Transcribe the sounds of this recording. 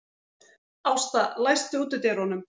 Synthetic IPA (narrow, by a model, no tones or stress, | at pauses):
awst̪alajst̪ʏuːt̪ʏt̪eɾhɔnʏm